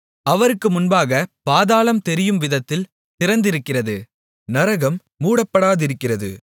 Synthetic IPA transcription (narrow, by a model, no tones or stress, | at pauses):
ɐʋɐɾɯkːɯmʊnbaːɣɐpaːðaːlɐmt̪ɛɾɪjɯmʋɪðɐt̪ːɪl | t̪ɪɾɐnd̪ɪɾɯkːɪrɐðɯ | nɐɾɐɣɐmːuːɽɐpːɐɽaːðɪɾɯkːɪrɐðɯ̰